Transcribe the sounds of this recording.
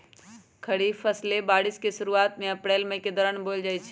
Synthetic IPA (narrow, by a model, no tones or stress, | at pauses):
kʰəɽifəslebaːɽiskeʃʊɾuaːt̪mẽɐpɾeːlmə̃ɦɪ̃ked̪ɔɾəɳbold͡ʒaːjt͡ʃʰ